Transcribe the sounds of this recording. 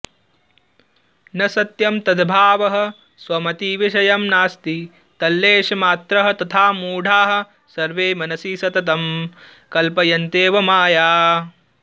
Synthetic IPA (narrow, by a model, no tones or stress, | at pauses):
nɐsɐt̪jɐmt̪ɐd̪bʱaːʋɐɦɐ̆ | sʋɐmɐt̪iʋiʃɐjɐmnaːst̪i | t̪ɐlːeːʃɐmaːt̪ɾɐɦɐ̆t̪ɐt̪ʰaːmuːɖʱaːɦɐ̆ | sɐɾʋeːmɐnɐsiːsɐt̪ɐt̪ɐm | kɐlpɐjɐnt̪eːʋɐmaːjaː